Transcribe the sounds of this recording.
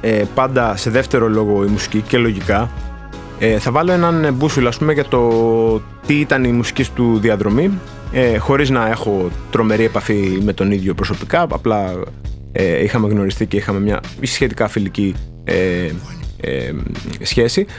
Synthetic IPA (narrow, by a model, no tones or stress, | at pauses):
epɐnd̪ɐse̞ðe̞ft̪e̞ɾo̞lo̞ɣo̞imusi̥cice̞lo̞ʝikɐ | eθɐvɐlo̞e̞nɐnbusuloɐspumeʝɐt̪o̞ | t̪iit̪ɐnimusi̥cist̪uðiɐðɾo̞mi | exo̞ɾiznɐe̞xo̞t̪ɾo̞me̞ɾie̞pɐfime̞t̪o̞niðʝo̞pɾo̞so̞pikɐɐ̰plɐ | eixɐmeɣno̞ɾist̪ice̞ixɐme̞mɲɐ̰ | isçe̞t̪ikɐfilici | e | ḛsçe̞si